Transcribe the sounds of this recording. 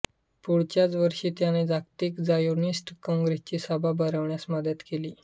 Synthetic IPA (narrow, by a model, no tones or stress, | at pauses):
puɽt͡ɕjat͡sʋəɾʂiːt̪janed͡zakt̪iːkd͡zajoɾnisʈkɔ̃ŋɡɾest͡ɕiːsabʱabəɾəʋɳjasməd̪ət̪keliː